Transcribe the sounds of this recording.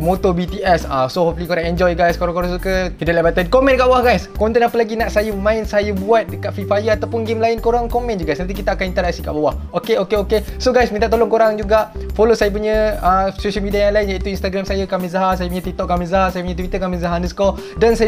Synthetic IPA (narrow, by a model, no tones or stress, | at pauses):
mot̪obit̪iɛsasohɔflikoɾaŋɛnd͡ʒɔjɡajskoɾaŋkoɾasukəkidalabat̪ankomɛ̃ndəkaʔbawahɡajskɔnt̪ɛnapəlaɡinaʔsajaməmãɪnsajabuat̪̚dəkat̪̚fifajəat̪awpʊnɡemlaɪnkoɾaŋkomɛ̃nd͡ʒuɡast̪nant̪ikit̪aːkanint̪əlak̚sikaʔbawah | okeokeokesoɡajsmĩnt̪aʔt̪olɔŋkoɾaŋd͡ʒuɡaʔfolosajap̬uɲə̃asoʃalmidiajaŋlaɪnjaʔit̪uinst̪aɡɾamsajakamizaɦasajap̬uɲãt̪ik̚t̪ɔʔ̚kamĩzaɦasajapuɲət̪wit̪əkamɛ̃nzaɦandəsə̥kɔldansaj